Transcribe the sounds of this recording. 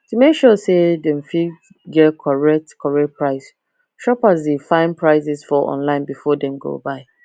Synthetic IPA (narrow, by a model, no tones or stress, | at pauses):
tumekʃɔsedɛ̃nfi | ɡɛtkʰɔɹɛk̚tkʰɔɹɛk̚pʰɹaɪs | ʃɔpasdefãɪ̃npʰɹaɪs̬ɪsfɔʔɔ̰̃nlãɪ̃nbifɔdɛ̃mɡo̰ːbaɪ